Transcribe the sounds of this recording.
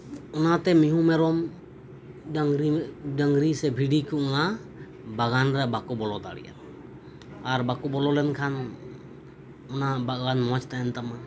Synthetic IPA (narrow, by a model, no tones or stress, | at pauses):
ɔnat̪ɛmiɦũmɛɾɔm | ɾiɖaŋɡɾisɛbʱiɖikuʔɔna | baɡanɾɛbakɔbɔlɔd̪a̰ɽḭja̰ɾ | aɾbakɔbɔlɔlɛnkʰan | ɔnabaɡanmɔt͡ʃt̪aɛnt̪ama